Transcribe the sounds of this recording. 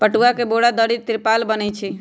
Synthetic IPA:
pəʈuakeboɽad̪əɽit̪ːɾpalbənɛt͡ʃʰi

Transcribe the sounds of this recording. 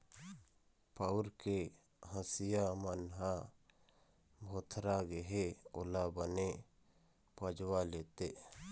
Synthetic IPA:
paʊɾke | ɦəsijamənɦa | bʱot̪ʰɾaɡeɦeolabəne | pəd͡ʒwaleːt̪e

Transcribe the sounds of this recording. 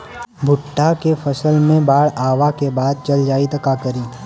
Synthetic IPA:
bʱʊʈːakefʰɐsəlmẽbaːɽaːʋakebaːd̪̚t͡ʃɐld͡ʒaːit̪ɐkakəɾiː

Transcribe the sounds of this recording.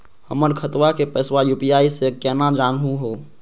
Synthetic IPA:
həməɾkʰət̪wakepɛːswajuːpijaːisekɛːnad͡ʒaːnɦũɦoː

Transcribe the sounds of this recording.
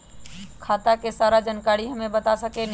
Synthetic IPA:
kʰaːt̪akesaːɾad͡ʒənkaːɽiɦəmẽbət̪asəkʰen

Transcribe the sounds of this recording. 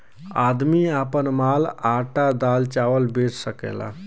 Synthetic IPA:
ad̪miapənmalaʈad̪alt͡ʃawəlbet͡ʃsəkɛ̰la̰

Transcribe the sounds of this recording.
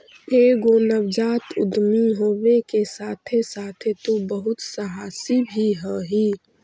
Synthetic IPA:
eɡonəʋd͡ʒaːt̪ʊ̰d̪miɦoːʋekesaːt̪ʰesaːt̪ʰet̪ubəɦʊt̪səɦaːsibʱiɦəɦi

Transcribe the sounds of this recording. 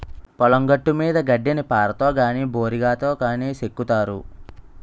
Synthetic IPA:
pɐlɐŋɡɐʈːumiːd̪ɐɡɐɖːenipaːɾɐt̪o̞ːɡaːniːboːɾiɡaːt̪o̞ːkaːniːsekːut̪aːɾṵ

